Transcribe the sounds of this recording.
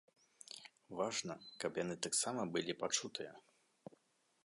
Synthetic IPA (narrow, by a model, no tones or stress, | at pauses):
vaʐnɐkɐpjanɨt̪aksamɐbɨlʲipat͡ʂut̪ɨjɐ̰